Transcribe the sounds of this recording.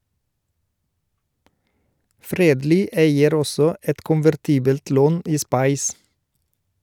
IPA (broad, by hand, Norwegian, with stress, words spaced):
ˈfɾeːdˌliː ˈeɪəɾ ˈɔsɔ ˈɛt kʊnʋæɾˈtiːbəlt ˈloːn ˈiː ˈspɑɪs